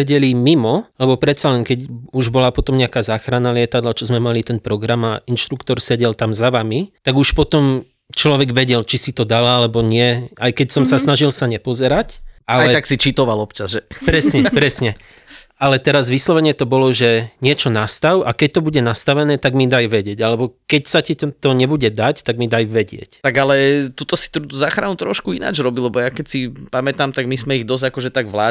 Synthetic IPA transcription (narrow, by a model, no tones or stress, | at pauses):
ɛɟɛlimimɔlɛbɔpɾɛt̪t͡salɛŋkɛɟuʒbɔlapɔt̪ɔmɲɛakaːzaːxɾanalɪɛt̪ad̪lat͡ʃɔzmɛmalit̪ɛnpɾɔɡɾama̰inʃt̪ɾukt̪ɔɾsɛɟɛlt̪amzaʋamit̪aɡuʃpɔt̪ɔm | t͡ʃlɔʋɛɡʋɛɟɛlt͡ʃisit̪ɔd̪alalɛbɔɲɪɛajkɛcsɔmsasnaʒilsaɲɛpɔzɛɾacalajɛt̪aksit͡ʃit̪ɔʋalɔpt͡ʃazʒɛpɾɛsɲɛpɾɛsɲɛ | alɛt̪ɛɾazʋislɔʋɛɲɪɛt̪ɔbɔlɔʒɛɲɪɛt͡ʃɔnast̪aʊʔakɛc̚t̪ɔbuɟɛnast̪aʋɛnɛːt̪aɡmid̪ajʋɛɟɪɛɟalɛbɔkɛcsacit̪ɔɲɛbuɟɛd̪act̪aɡmid̪ajʋɛɟɪɛ̰ct̪aɡalɛt̪ut̪ɔsi̥t̪ɾut̪uzaːxɾanut̪ɾɔʃkuina̰ːd͡ʒɾɔbilɛbɔjakɛcsipamɛt̪amt̪aɡmizmɛiɣd̪ɔzakɔʒɛt̪aɡʋlaː